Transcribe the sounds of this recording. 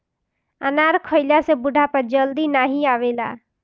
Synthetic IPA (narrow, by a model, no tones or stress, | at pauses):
ənaːɾkʰoɪlasebʊɖʱapəɾd͡ʒəld̪inaːɦiaːʋeːla̰ː